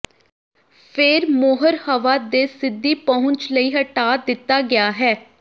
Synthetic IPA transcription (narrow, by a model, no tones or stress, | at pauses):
pʰɪɾmoːɦəɾhəʋaːd̪eːsɪd̪ːiːpɔɦʊ̃ɲt͡ʃləiːɦəʈaːd̪ɪt̪ːaːɡɪjaːɦɛː